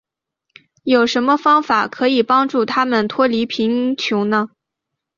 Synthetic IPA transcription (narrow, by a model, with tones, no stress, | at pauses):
jo˨˩ʊʂə˧˥nmə˧fɑ˥ŋfa˨˩kʰɤ˧˥i˨˩pɑ˥ŋʈ͡ʂu˥˩t̪ʰa˥mə˨nt̪ʰwɔ˥li˧˥pʰi˧˥ŋt͡ɕʰjʊ˧˥nə˧